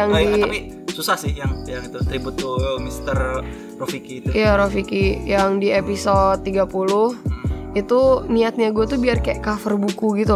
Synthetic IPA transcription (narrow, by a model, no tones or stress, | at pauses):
jaŋdiapi | susahsɪhjaŋjaŋit̪ut̪ɾibut̪umist̪ər | rofikit̪uijaɾofikijaŋdiepisod̪̚ːiɡapulʊhit̪uniat̪̚ɲaɡuat̪ubiarkaeʔkafərbukuɡit̪u